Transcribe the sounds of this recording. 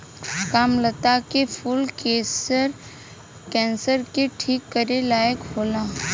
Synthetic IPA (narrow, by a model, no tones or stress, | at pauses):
kaːmlət̪akepʰʊlkeːsəɾ | kɛ̃ːnsəɾkeʈʰiːkːəɾelaːjəkhoːlaː